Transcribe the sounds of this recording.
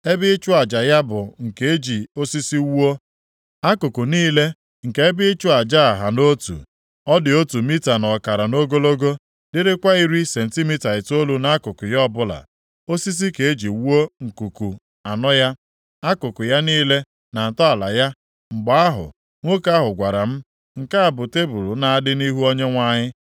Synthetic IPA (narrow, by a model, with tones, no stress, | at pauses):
e˦bɪ˦ɪ˦t͡ʃʊ˦a˨d͡ʒa˨ja˦bʊ˨ŋ̩˨ke˦e˦d͡ʒi˨o˦si˦si˦wu˦o˦ | a˦kʊ˨kʊ˨niː˦le˦ | ŋ̩˨ke˨˦e˦bɪ˦ɪ˦t͡ʃʊ˦a˨d͡ʒa˦a˨ɦa˨no˦tṵ˨ | ɔ˦dɪ˨o˦tu˨mi˦ta˨nɔ˨ka˨ɾa˨no˦ɡo˦lo˦ɡo˦ | dɪ˦ɾɪ˦kʷa˦i˦ɾi˦se˨n̩˨ti˦mi˦ta˨ɪ˨to˦lu˨˦na˦kʊ˨kʊ˨jɔ˦˨bʊ˦la̰˨ | o˦si˦s̬i˦ke˨e˦d͡ʒi˨wu˦o˦ŋ̩˨ku˨ku˨ | a˨nɔ˦ja˦ | a˦kʊ˨kʊ˨ja˦niː˦le˦ | na˨n̩˨tɔ˦a˨la̰˨ja˦ | ŋ͡m̩˨ɡ͡ba˨a˦ɦʊ̰˨ | ŋʷo˦ka˦ɦʊ˨ɡʷa˨ɾa˨m̩˦ | ŋ̩˨ka˦a˨bʊ˨te˦bʊ˨ɾʊ˨na˨a˦dɪ˦ni˦ɦu˦ɔ˦ɲe˦ŋʷa˦ɲɪ˦